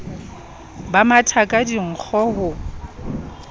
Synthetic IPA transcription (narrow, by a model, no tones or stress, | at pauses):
bamatʰakʼadiŋ̩k͡xʰɔɦʊ